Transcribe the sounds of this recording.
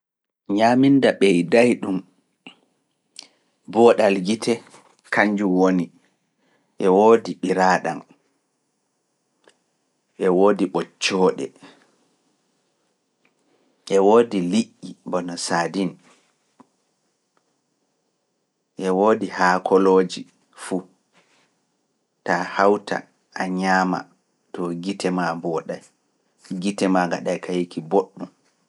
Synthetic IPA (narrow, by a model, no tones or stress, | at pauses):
ɲaːmindaɓɛjdajɗum | bɔɗalɡitʰɛ | kaɲd͡ʒuwoni | ʔɛwoːdiɓiɾaːɗa̰n | ʔɛwoːdiɓɔt͡ʃːɔːɗɛ̰ | ʔɛwoːdiliʔːibɔnɔsaːdin | ʔɛwoːdihakʰɔloːd͡ʒi | fu | tahawtʰa̰ | aɲaːma̰ | tɔɡitʰɛmabɔːɗaj | ɡitɛmaɡaɗajkʰajikiboɗːum